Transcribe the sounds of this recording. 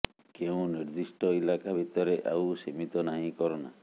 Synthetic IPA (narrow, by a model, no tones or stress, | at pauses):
keũniɾd̪isʈɔilakabʱit̪ɔɾeʔawsemit̪ɔnaɦĩkɔɾɔna̰